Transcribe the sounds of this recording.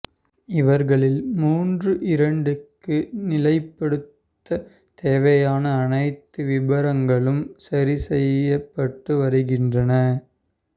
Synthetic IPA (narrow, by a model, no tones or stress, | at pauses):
ɪʋɐɾɣɐɭɪlmuːndrɯʔɪɾɐɳɖɯkːɯnɪlɐɪpːɐɽɯt̪ːɐ | t̪eːʋɐjaːnɐːnɐɪt̪ːɯʋɪbɐɾɐŋɡɐɭɯmsɐɾisɛjɐpːɐʈːɯʋɐɾɯɣɪndrɐnɐ